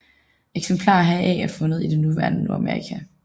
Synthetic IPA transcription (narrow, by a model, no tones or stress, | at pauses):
eɡ̥sempʰlɑ̰̈ːɦæʔɛ̰æɐfɔ̽nəð̩ˠid̥enuʋæɐnənuɑmeʁḭkʰæ